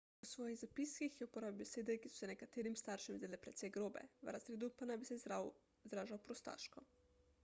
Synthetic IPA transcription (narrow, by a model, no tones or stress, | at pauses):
ɔsʋɔːjiɣzapiskixjɛupɔɾaːbibeseːd̪ɛkisɔ̥sɛnɛkat̪eːɾimst̪aːɾʃɛmzeːlɛpɾɛt̪sɛjɡɾoːbɛ̰ʋɾazɾeːd̪upanajbisɛ | zɾaːʒawpɾɔst̪a̰ːʃkɔ